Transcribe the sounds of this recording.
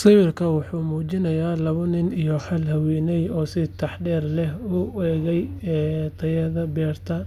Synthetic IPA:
sɪwɪrkʰɐwʊħuːmuːt͡ʃɪnɐjaːlɐβʊnɪnijɔħɐlɦɐwɛːnɛjɔːsɪt̪ʰɑħɖɛːrlɛɦʊɛːɣɛjɛt̪ʰɐjɐðɐbɛːrt̪ʰɐ

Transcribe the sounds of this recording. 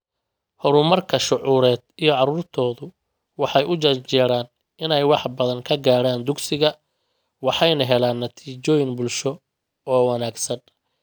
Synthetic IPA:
hɔɾʊmɐrkʰɐʃʊʕuːɾɛːd̪ijɔʕɑɾuːrt̪ʰɔːðʊ | wɑħɑjʔʊt͡ʃɐt͡ʃɛːɾaːn | ɪnɛjwɑħbɐðɐŋkʰɐɡaːɽaːnd̪ʊɡsɪɣɐ | wɑħɑjnɐɦɛlaːnːɐt̪ʰiːt͡ʃɔːjɪnbʊlʃɔ | ɔːwɑnaːɡsɐn

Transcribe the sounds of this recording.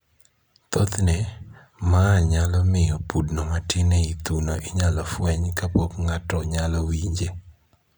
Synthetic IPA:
t̪ot̪nɛ | maːɲalɔmɪjɔpudnɔmatɪneit̪unoʔiɲalɔfwɛɲkapokŋatɔɲalɔwiɲd͡ʒe

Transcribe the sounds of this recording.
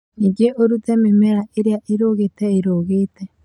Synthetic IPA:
niɡeʔoɾutememeɾaʔeɾeaʔeɾoːɣetɛeɾoːɣetɛ

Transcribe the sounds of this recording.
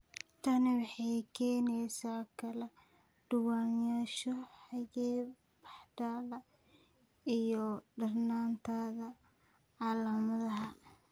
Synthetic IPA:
t̪ʰɐnɪwɑħɑjkʰɛːnɛjsaːkʰɐlɛ | ɖ̥ʊwaːnjaːʃɔħɑjɛː | b̥ɑħd̪aːlɐ | ijɔɖɐrnaːnt̪ʰaːðɐ | ʕɑːlɐmɐðɐɦɐ

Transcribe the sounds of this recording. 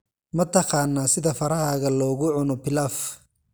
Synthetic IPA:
mɐt̪ʰɑqɑːnːaːsɪðɐfɐɾɐɦaːɣɐlɔːɣʊʕʊnɔpɪlaf

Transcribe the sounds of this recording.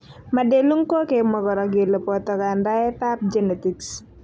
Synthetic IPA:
madeluŋkokemɔkɔɾɔɡilɔpɔt̪ɔkandaɛt̪ap̚d͡ʒɛnɛt̪iks

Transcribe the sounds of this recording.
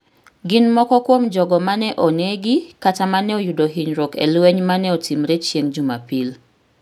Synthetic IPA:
ɡɪnmɔkɔkwomd͡ʒɔɡɔmanɛʔɔneɡɪkatamanɛojudoɦiɲɾɔkḛlweɲmanɛɔtimɾet͡ʃjeŋd͡ʒuma̰pil

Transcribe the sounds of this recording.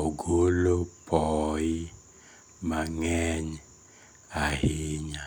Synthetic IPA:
oɡolopʰɔi | maŋɛɲ | aheɲa

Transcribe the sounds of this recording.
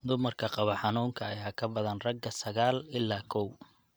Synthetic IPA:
d̪ʊmɐrkʰɐqɑβɐħɑnuːŋkʰɐːjaːkʰɐbɐðɐnrɐɡɐsɐɣaːlɪlːaːkʰɔw

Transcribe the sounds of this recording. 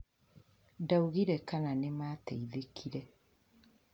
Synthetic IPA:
dauɣiɾekananemaːteiðekʰiɾe

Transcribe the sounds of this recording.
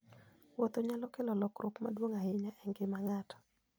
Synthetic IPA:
wɔt̪oɲalɔkɛlɔlɔkɾʔokma̰dwoŋaɪɲaʔɛŋɡɪmaŋatɔ̥

